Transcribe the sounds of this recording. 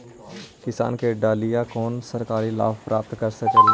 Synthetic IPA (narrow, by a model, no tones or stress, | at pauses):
kɪsa̰ːnkeɖaːlijãkoːnsəɾkaːɾila̰ːfpɾʔaːp̚t̪kəɾsɐke